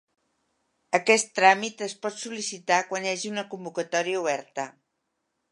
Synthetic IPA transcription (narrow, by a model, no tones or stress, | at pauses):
əkɛst̪ːɾamit̪əspɔt̪sulisit̪akwanjaʒiunəkumbukət̪ɔɾiəuβ̞ɛɾt̪ə